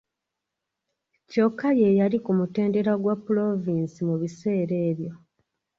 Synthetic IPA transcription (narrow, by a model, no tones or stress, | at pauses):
co̞kːaje̞jalikumute̞ːnde̞ɾaɡwapːulo̞viːnsimuβise̞ːɾe̞ːβjo̞